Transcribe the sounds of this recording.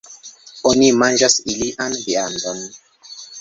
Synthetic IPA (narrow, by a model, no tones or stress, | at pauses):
onimand͡ʒasiliʔanbeandəm